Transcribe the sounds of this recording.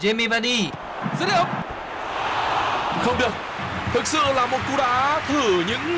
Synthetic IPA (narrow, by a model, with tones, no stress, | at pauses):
ze˧mi˧va˧˥ɗi˧ | zə˦˥ə˨˩ŋ͡m̚ | xə˧wŋ͡mɗi˨˩ək̚ | t̪ʰɨ˨˩k̚sɨ̰˧˨laː˨˩mo˨˩t̚t̪u˧˩ɗa̰ː˧˥t̪ʰɨ˧˩ɲɨ̰˧˥ŋ